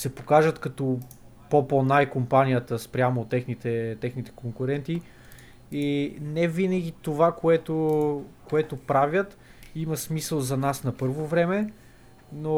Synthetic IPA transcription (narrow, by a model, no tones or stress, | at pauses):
sɛpokaʒət̪kɐt̪ɔ | pɔponaɛkompanijət̪əspɾʲjamot̪ɛxnit̪ɛt̪ɛxnit̪ɛ̥koŋkʊɾɛnt̪i | inɛvinəɡ̟ʲit̪ovakoɛt̪okoɛt̪opɾavʲət̪ | imɐsmisəlˠzɐnasnɐpɤɾvovɾɛmɛ | no